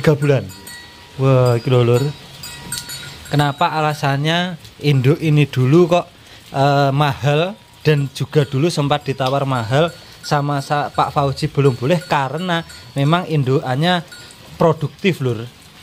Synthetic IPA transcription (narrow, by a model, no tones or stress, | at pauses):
iɡ̥a̤b̥ulan | wakilolʊr | kənapaːlasaɲaind̪ʊʔinid̪̥ulukɔʔ | əmahal | d̪̥a̤n̥d͡ʒ̥ṳɡ̥a̤d̪̥ulusəmpat̪̚d̪̥i̤t̪awarmaɦal | samasapaʔfaud̥ʒ̥i̤b̥ə̤lʊmbulɛhkaɾənamemaŋind̪oʔaɲa | pɾod̪̥ṳk̚t̪ɪflʊr